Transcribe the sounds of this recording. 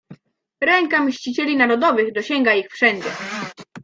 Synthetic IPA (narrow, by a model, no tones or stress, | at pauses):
ɾɛŋkamɕt͡ɕit͡ɕɛlʲinaɾɔd̪ɔvɘɣd̪ɔɕɛŋɡaixfʂɛɲd͡ʑɛ